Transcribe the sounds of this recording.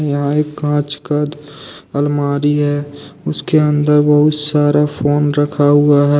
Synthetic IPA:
jɐɦãeːkːãːt͡ʃkəd̪ɐlmaːɾiɦɛːʊskeə̃nd̪əɾbəɦʊt̪saːɾafʰoːnɾɐkʰaɦʊaɦɛː

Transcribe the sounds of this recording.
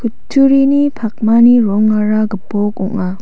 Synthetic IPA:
kʰutʰːuɾinipʰak̚maniɾɔŋːaɾaɡəpɔkɔ̰ʔŋa

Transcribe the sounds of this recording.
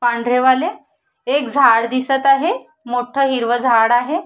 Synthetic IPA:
paɳɖʱɾeʋale | ek̚d͡zʱaɽd̪isət̪aɦe | moʈʰəɦiɾʋəd͡zʱaɽaɦe

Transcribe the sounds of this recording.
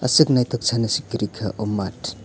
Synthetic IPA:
ɐ̰sɯk̚najt̪ʰɔk̚t͡ʃʰanɐsikːiɾikʰɐʔʔɔmːatʰ

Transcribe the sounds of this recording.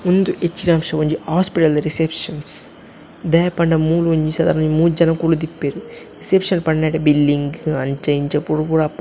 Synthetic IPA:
mund̪uʔet͡ʃːiɾaːmʂɐʋuɲd͡ʒihaːspiʈɐlɾisepʂɐns | d̪ɐjɐpɐɳɖɐmuːluɲd͡ʒisɐd̪aːɾmuːd͡ʒɐnɐkuːlud̪ipːeːɾuɾisepʂɐnpɐɳnɐːʈɐbilːiŋɡɐɲt͡ʃɐjiɲt͡ʃɐpːuɽupuɽapː

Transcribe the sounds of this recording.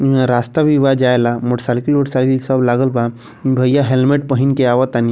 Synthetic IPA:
ɾast̪abʱiʋad͡ʒajlamoʈsalikilmoʈsalikilsəblaɡəlba | bʱəjaɦelmeʈ̚pəɦinkeaʋət̪ani

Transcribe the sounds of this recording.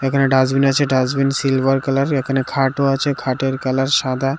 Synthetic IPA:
ekʰaneɖazbinat͡ʃʰeɖazbinsilbaɾkɛlaɾekʰanekʰaʈoat͡ɕʰekʰaʈeɾkɛlaɾʃad̪ʱa

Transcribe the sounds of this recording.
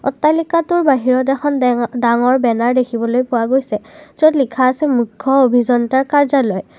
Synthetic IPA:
ɔ̰tːalikatʊɹbaɦiɹɔt̬ɛxʰɔndaŋɔɹbɛnaɹdekʰibɔlojpʊwaɡojsɛzotlikʰaːsɛmukʰːɔobʱizɔntaɹkaɹzalɔj

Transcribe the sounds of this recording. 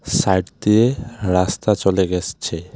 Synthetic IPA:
sajʈt̪ieɾast̪at͡ɕoleɡest͡ɕʰe

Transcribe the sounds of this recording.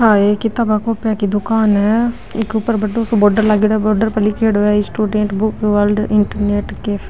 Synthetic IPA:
haːekit̪ːabakoːpjaːkid̪ʊkaːnɛ | ikɾupɐɾbɐɖːusuboɖɐɾlaːɡiɽɐboɖɐɾpɐlikeːɽʋeisʈuːɖeɳʈbukʋɐlɖɪɳʈɐɾneːʈkeːf

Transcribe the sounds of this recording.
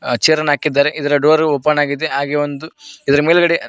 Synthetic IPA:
t͡ʃiɾɐnaːkid̪ːaːɾeʔid̪ɐɾɐɖoːɐɾopːɐnaːɡid̪e̞ɦaːɡeʋond̪uid̪ɐɾɐmeːlɡɐɽe

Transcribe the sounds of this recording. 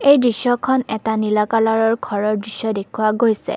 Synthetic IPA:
ejdɹisɔkʰɔnɛtanilakalaɹɔɹɡʱɔɹɔɹdɹisːɔdekʰuwaɡojsɛ̰

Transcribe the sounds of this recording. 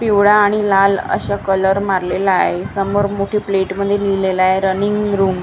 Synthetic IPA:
piʋɽaːɽ̃ilalə̰ɕakələɾmaɾlelaɦesəmoɾmoʈʰiːpleʈməd̪ʱːjelilelaɦeɾəniŋɡɾuːm

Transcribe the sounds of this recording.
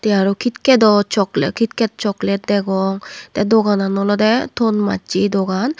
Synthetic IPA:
t̪ɛaɾɔkʰit̪ked̪ɔt͡ʃɔklḛkit̪kɛt̪̚t͡ʃɔklɛd̪ɛɡɔŋt̪ɛd̪oɡananɔlɔd̪ɛt̪ʰonma̰tt͡ʃid̪oɡan

